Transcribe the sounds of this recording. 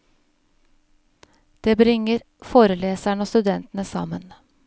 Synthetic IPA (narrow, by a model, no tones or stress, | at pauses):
d̪̥eːbɾɪŋəɾ | foːɾəleːsæɳoːst̪ʉd̪ɛnt̪n̩əsɑ̰mən